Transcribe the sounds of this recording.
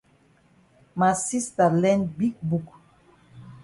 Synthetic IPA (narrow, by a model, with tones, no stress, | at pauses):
ma˨si˦sta˨lɛ˦ndbi˦k̚bu˨k